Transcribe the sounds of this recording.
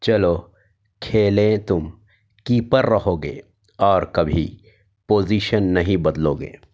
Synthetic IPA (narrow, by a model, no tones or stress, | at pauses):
t͡ʃɐloː | kʰeːlẽt̪ʊm | kiːpəɾːɐɦoːɡḛː | ɔːɾkɐbʱḭ | poːziːʃənːɐɦĩbɐd̪loːɡḛː